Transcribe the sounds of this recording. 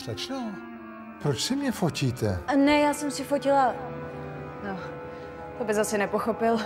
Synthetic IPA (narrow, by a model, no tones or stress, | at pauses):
slat͡ʃnow | pɾot͡ʃsɪmɲɛfociːt̪ɛnɛjaːsɛmsɪfocɪla | no | t̪obɪzasɛnɛpoxopɪl